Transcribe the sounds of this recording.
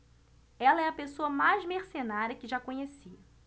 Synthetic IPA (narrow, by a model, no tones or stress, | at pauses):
ɛlɐɛɐpesoɐmajzmeɾsenaɾjɐkɪʒakõɲesiɐ